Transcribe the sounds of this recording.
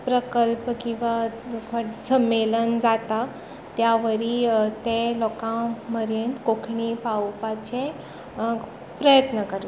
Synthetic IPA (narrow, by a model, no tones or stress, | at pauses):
pɾəkəlpkĩw̃ʋakʰəsəmːelənd͡zat̪a | t̪jaʋəɾit̪elɔkãməɾjənt̪kokʰɳipawpat͡ɕe | pɾəjət̪nəkəɾ